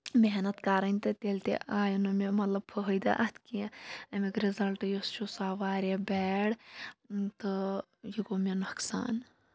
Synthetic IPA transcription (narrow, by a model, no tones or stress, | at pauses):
meɦnɐt̪kaːɾɐnʲt̪ɨt̪eːlt̪ḛʔaːjɐnumemɐt̪lɐbpʰɐɦojd̪ɐ̰ʔɐt̪kiɐmikɾizɐlʈjost͡ʃʰusaːʋaːɾebɛːɽ | t̪ɨ | jiɡomenɐksa̰ːn